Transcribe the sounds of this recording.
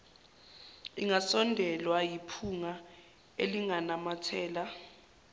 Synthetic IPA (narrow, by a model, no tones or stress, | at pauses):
iŋasɔndʱɛlwajipʰuŋa | eliŋanamatʰɛːla